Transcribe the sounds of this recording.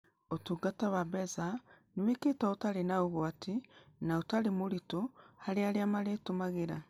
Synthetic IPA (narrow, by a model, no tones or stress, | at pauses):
otuɡataβabɛzaniweketaotaɾenaoβwatinaotalimoɾitohaɾeaɾiamaɾetomaɣeɾa